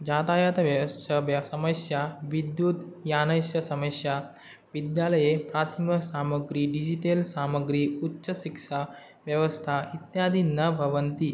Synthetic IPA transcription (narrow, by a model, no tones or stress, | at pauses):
d͡ʑat̪ajat̪ʋjɐəʋɐsɐməsjaʋid̪jut̪janɐjsjɐsɐmɐsja | ʋid̪jaləjepɾat̪ʰimɐsaməɡɾiːɖid͡ʑiʈelsaməɡɾiutːɕɐʃikʂa | ʋjəʋəst̪ʰait̪jad̪ʱinːɐbʱɐʋənt̪i